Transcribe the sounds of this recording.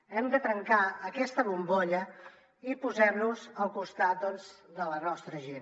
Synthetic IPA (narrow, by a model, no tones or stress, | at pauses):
ɛmd̪ət̪ɾəŋkaːkɛst̪əβumboʎə | ipuzɛmnuzəlˠkust̪at̪̚d̪ɔnzd̪ələnɔst̪ɾəʒen